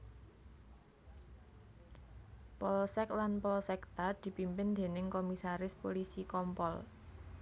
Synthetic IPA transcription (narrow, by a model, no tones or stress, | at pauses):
pɔlsɛklanpɔlsɛk̚t̪ad̪̥i̤pimpɪnd̪e̤nɪŋkomisaɾɪspolisikɔmpɔl